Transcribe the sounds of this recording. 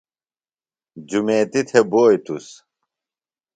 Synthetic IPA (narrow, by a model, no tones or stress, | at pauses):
d͡ʑumeːt̪it̪ʰeboːjt̪us